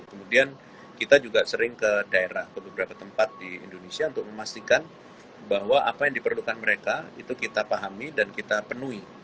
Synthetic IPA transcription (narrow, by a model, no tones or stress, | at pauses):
kəmudian | kit̪ad͡ʒuɡasəɾɪŋkədaeɾahkəbəbəɾapat̪əmpat̪̚diḭndonesiaunt̪ʊk̚məmast̪ikan | baɦwaʔapajaŋdipərlukanməɾekait̪ukit̪apaɦamidankit̪apənui